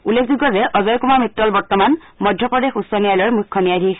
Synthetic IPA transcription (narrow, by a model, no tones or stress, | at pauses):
ulːekʰzuɡɔzɛʔɔzɔjkumamitːɔlbɔɹtɔman | mɔdʱjɔpɹɔdexusːɔnijajlɔɹmujkʰːɔniajdʱik